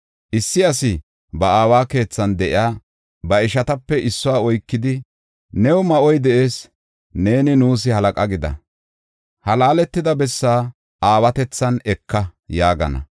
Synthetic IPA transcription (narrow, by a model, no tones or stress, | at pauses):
ʔɪsːɪɐsɪ | bɐaːwaːke̞ːt͡sːɐnd̪ɛʔɪaː | bɐɪʃɐt̪ɐpːɛʔɪsːɔwaːɔjkːɪd̪ɪ | nɛwɔmɐʔɔjd̪ɛʔe̞ːs | ne̞ːnɪnuːs̬ɪhɐlɐkʼɐɡɪd̪ɐ̰ | hɐlaːlɛt̪ːɪd̪ɐbɛsːaː | ʔaːwɐt̪ɛt͡sːɐnɛkʰːɐjaːɡɐ̰nɐ̰